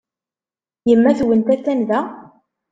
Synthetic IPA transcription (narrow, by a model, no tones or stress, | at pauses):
jəmːæθwənt̪æt͡sːænðæ